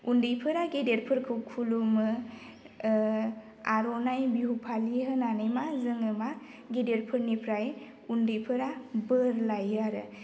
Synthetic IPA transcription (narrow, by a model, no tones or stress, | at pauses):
undɯjpʰɯɾaɡedeɾpʰɯɾkʰɯkʰːulumɯ | aɾɔnajbiɦupʰaliɦɯnanɯjmazɯŋɯma | ɡedeɾpʰɯɾnipʰɾaj | undɯjpʰɯɾabəɾlajaɾɯ